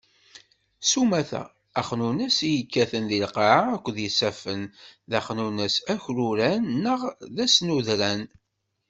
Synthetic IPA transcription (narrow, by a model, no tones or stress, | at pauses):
sumæθæ̰ː | χnunəsijəkːæθənðilqɑʕaækʷːðjisæfənðæχnunəsæçɾuɾænːəʁðæsnuðɾæn